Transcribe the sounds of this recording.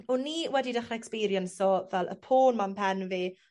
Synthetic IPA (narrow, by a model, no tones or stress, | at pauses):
ɔnːiːwɛdidaχnɛkspiɾjənsɔvɛlˠʔə̰pʰoːnmampʰɛnveː